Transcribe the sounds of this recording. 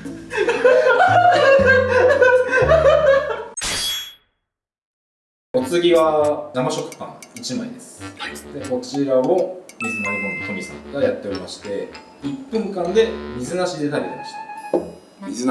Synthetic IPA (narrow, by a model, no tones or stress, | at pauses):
o̞t͡sɨɡʲiβanamaɕo̞kɯ̥kã̰ŋit͡ɕimaid̪e̞sɨ̥d̪e̞ko̞t͡ɕiɾao̞mʲizɨnoɾɯnont̪omʲisã̰ŋkajat̪ːe̞o̞ɾʲimaɕi̥t̪e̞ | ipːɯ̟̃ŋkãnd̪e̞mʲizɨnaɕid̪e̞t̪abe̞t̪e̞maɕi̥t̪ḁ | iz